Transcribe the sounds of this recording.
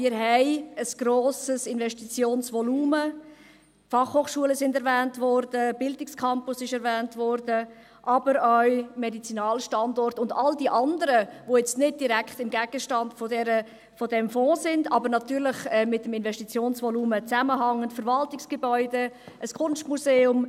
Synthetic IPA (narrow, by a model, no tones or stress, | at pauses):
mɪɾɦɛɪəsɡ̥ɾoːsəsɪnvɛʃtit͡sjoːnsʋɔluːmə | fɑχhoːχʃuələsɪndɛɾvɛːntvɔɾd̥əb̥ɪldɪkskʰɑmpʊsɪʃɛɾvæːntvɔɾdə | ʔɑbəɾœɥmɛdit͡sinɑːlʃtɑndɔrtʊndɑldiʔɑndəɾəvojɛt͡stnɪd̚d̥iɾækχtɪmɡæɡ̥əʃtɑnd̥fodɛɾə | fodɛmfɔ̃ːsɪndɑbəɾnɑtyːɾlɪχɛmːɪt̚ːəmɪnvɛʃtit͡sjoːnsvɔluːmət͡sæməɦɑŋːəntfəɾvɑltɪksɡ̥əbœʏdə | ʔəskʰʊnʃtmuzeːʊm